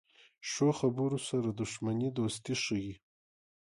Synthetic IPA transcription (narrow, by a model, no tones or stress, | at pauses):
ʂoxabuɾosaɾad̪ʊʃmanid̪ost̪iʂəji